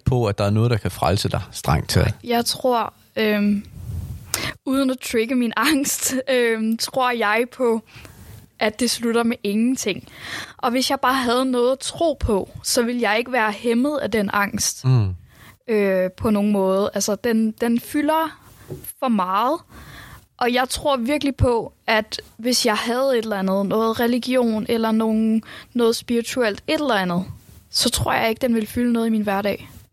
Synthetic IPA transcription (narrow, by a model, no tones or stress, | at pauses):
pʰɒ̽æd̥ɑ̈æɐnɔ̽ːð̞̩ˠd̥ɑkʰæfʁalsəd̥ɑ̈ɪsd̥ʁɑ̈ŋ̰̥t͡sʰejɑ̈ɪt͡sʰʁo̝ɐ̰ | ø | uːð̞ˠən̩æt͡sʰʁeɡ̥əminɑ̈ŋ̰sd̥ømt͡sʰʁo̝ɐ̰jɑ̈ɪpʰɒ̽ | ʔæd̥ːe̝slud̥ɐmeʔe̝ŋn̩t͡sʰe̝ŋ̰ʔɒ̽ʋe̝sjɑ̈ɪb̥ɑ̈ːɦæð̞̩ˠnɔ̽ːð̩ˠæt͡sʰʁo̝̰ːpʰɒ̽sɒ̽ʋe̝ljɑ̈ɪe̝ɡ̥əʋæːɐhemð̞̩ˠæd̥enɑ̈ŋ̰sd̥ | øpʰɒ̽no̝ːŋn̩mɔ̽ːð̞̩ˠʔælsɐd̥end̥enfylɐ | fɒ̽mɑ̈ːð̩ˠ | ʔɒ̽jɑ̈ɪt͡sʰʁo̝ɐ̰ʋiɐɡ̥əlipʰɒ̽ʔæd̥ʋe̝sjɑ̈ɪɦæð̞̩ˠe̝d̥lænð̞̩ˠnɔ̽ːð̞̩ˠʁɛliɡ̥jo̝̰ːnelɐno̝ːn̩nɔːð̩ˠsb̥iʁit͡sʰuel̰d̥e̝d̥elɐænð̞̩ˠsɒ̽t͡sʰʁo̝ɐ̰jɑ̈ɪe̝ɡ̥əd̥enʋe̝lfylənɔ̽ːð̞ˠimiːnʋæɐɾɛ̰ː